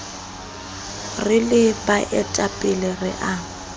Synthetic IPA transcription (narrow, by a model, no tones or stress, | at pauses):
rɪlɪbaʔɛtʼapʼɪlɪrɪʔa